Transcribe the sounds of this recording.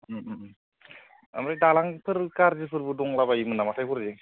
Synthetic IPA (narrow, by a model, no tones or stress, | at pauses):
ɯ | a̰mɾadalaŋpʰɯɾkaɾzipʰɯɾbɯdɔŋlabaimɯnamasʰajkʰuɾzi